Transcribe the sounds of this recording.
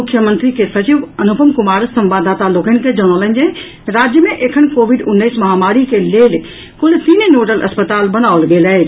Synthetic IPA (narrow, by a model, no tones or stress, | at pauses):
mʊkʰːjəmə̃nt̪ɾikesət͡ʃiʋənupəmkʊmaːɾsə̃mʋaːd̪aːt̪aloːkənked͡ʒonolə̃nd͡ʒẽ | ɾaːd͡ʒjəmẽʔekʰənkoːʋiɖʊnːəɪsməɦamaːɾikeleːl | kʊlt̪inenoːɖəlʔə̰spət̪aːlbənaolɡelɛ